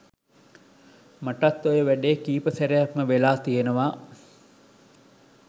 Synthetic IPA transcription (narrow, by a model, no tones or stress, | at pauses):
maʈat̪ːojəʋæɖeːkiːpəsæɾejakməʋelaːt̪ijenəʋaː